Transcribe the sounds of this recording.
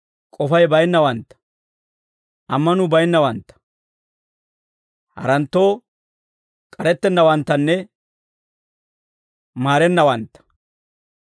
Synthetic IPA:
kʼɔfɐjbɐjnːɐwɐnt̪ːɐ̥ | ʔɐmːɐnʊbɐjnːɐwɐnt̪ːɐ̥ | hɐ̰ɾɐnt̪ːo̞ː | kʼɐɾɛt̪ːɛnːɐwɐnt̪ːɐnːɛ | maːɾɛnːɐwɐnt̪ːɐ̥

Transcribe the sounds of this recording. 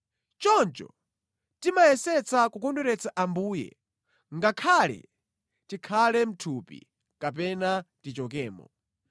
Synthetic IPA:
t͡ʃɔnt͡ʃɔ̰ | timajɛsɛt͡sakukɔnduɾɛt͡saʔambuːjɛ̰ | ŋɡakʰalɛ̰ | tikʰalɛm̩tʰupḭ | kap̬ɛnatit͡ʃɔkɛːmɔ̰

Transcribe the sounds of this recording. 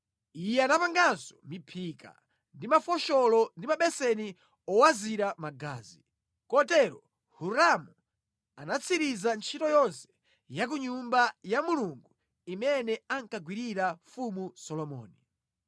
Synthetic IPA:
ijɛanapaŋɡansɔ̥mipʰika̰ | ndimafɔʃɔlɔndimaɓɛsɛni | ɔwaziɾamaɡa̰ːzi | kɔtɛɾɔ | huɾamu | anat͡sʰiɾizant͡ʃʰitɔjɔnsɛ̥ | jak̬uɲumbajamuluŋɡu | imɛnɛaŋkaɡwiɾiɾafumusɔlɔmɔ̰ːni

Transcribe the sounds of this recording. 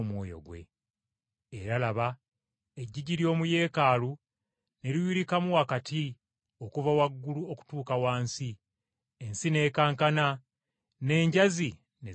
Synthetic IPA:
mwo̰ːjo̞̰ɡwe̞̰ | eɾalaβa | eɟːiɟiɾjo̞ːmuje̞ːkaːlu | ne̞ɾiwiɾikamuwakatʰi | o̞kuvawaɡːuluo̞ku̥tuːkawaːnsi | ensine̞ːkaːŋkana | ne̞ːɲɟazi | ne

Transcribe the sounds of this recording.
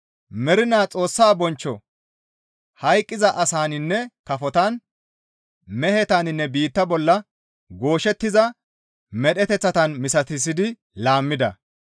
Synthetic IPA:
mɛɾɪnaːt͡sʼo̞ːsːaːbɔnt͡ʃːɔ | hɐjkʼːɪzɐʔɐsaːnɪnːɛkɐfɔt̪ɐn | mɛhɛt̪anɪnːɛbiːt̪ːɐbɔlːɐ | ɡo̞ːʃɛt̪ːɪzɐ | mɛɗɛt̪ɛt͡sːɐt̪ɐnmɪsɐt̪ɪs̬ːɪd̪ɪ | laːmːɪd̪ɐ̰

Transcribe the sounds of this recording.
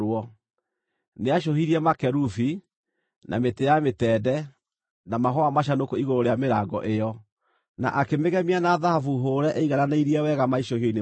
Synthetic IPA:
wɔ | neaʃohiɾiɛmakɛɾufi | nʔa̰metejametɛːdɛ | namaɦɔamaɕ̬anokoiɣoɾoɾejameɾaːɡɔ̰ʔejɔ | na̰ʔakemeɣɛmianaðahafuɦoːɾɛʔeiɣananaiɾiɛwɛɣamaiʃohioine

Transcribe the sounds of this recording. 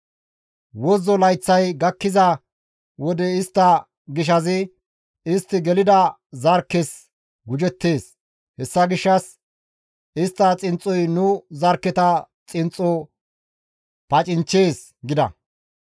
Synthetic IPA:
wɔzɔlɐjt͡sːɐjɡɐkːɪzɐ | wɔd̪ɛɪst̪ːɐ | ɡɪʃ̬ɐzɪ | ɪst̪ːɪɡɛlɪd̪ɐ | zɐɾkːɛs | ɡʊd͡ʒɛt̪ːe̞ːs | hɛsːɐɡɪʃːɐs | ɪst̪ːɐt͡sʼɪnt͡sʼːɔjnʊzɐɾkːɛt̪ɐ | t͡sʼɪnt͡sʼːɔ | pɐt͡ʃʼɪnt͡ʃe̞ːs | ɡɪd̪ɐ̰

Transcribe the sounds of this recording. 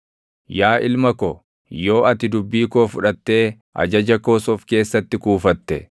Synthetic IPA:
jaːʔɪlmɐkɔ | joːɐt̪ɪd̪ʊbːiːkoːfʊᶑɐt̪ːe̞ː | ʔɐ̰d͡ʒɐd͡ʒɐko̞ːsɔfke̞ːsːɐt̪ːɪkuːfɐt̪ːɛ

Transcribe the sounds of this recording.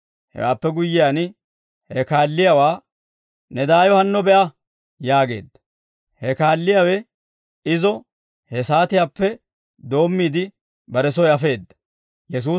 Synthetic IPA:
hɛ̰wa̰ːpːɛɡʊjːɪjaːn | hɛkaːlːɪjawaː | nɛd̪aːjɔhɐnːɔbɛʔɐ | jaːɡe̞̰ːd̪ːɐ | hɛkaːlːɪjawɛ | ɪzɔ | hɛsaːt̪ɪjaːpːɛ | d̪o̞ːmːiːd̪ɪ | bɐɾɛsɔjɐfe̞ːd̪ːɐ̥ | jɛs̬uː

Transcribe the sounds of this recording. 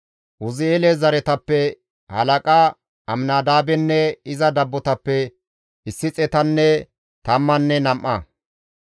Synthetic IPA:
wʊzɪeːlɛzɐɾɛt̪ɐpːɛ | hɐ̰lɐkʼaː | ɐmnaːd̪aːbɛnːɛɪzɐd̪ɐbːɔt̪ɐpːɛ | ɪsːɪt͡sʼɛt̪ɐnːɛ | t̪ɐmːɐnːɛnɐmʔɐ̰

